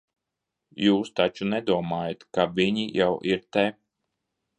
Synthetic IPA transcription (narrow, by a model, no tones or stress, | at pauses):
juːst̪at͡ʃunɛd̪uɔmaːjat̪kavʲiɲijawʔiɾt̪ɛ